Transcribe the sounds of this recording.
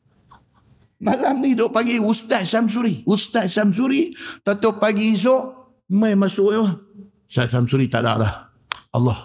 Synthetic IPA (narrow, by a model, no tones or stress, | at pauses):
malamnihdoʔpaɡiust̪at̪sams̬uɾiust̪at̪sams̬uɾit̪at̪opaɡis̬oʔ | majmasʊʔa | saʔ̪samsuɾit̪aʔda̰ʔɾah | ɑlːɑh